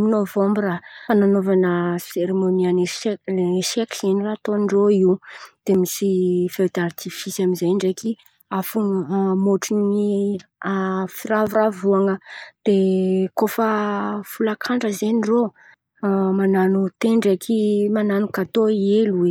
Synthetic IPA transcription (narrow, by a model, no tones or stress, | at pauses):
novɔ̃mbrafananovanəseɾemoniane | sekenirat̪onɳɖ͡ʐoiwd̪̥emisifed̪art̪ʰifisamizajɳɖ͡ʐeki | afumoʈ͡ʂini | fiɾavuɾavuaŋəd̪̥ekofəfulakʰaɳɖ͡ʐəzeniɖ͡ʐo | mananut̪eɳɖ͡ʐekʰimananukat̪oielue